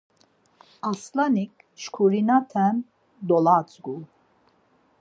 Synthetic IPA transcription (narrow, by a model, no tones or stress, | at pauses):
aslanik | ʃkʰuɾinat̪ʰɛm | d̪ɔlat͡sʼɡu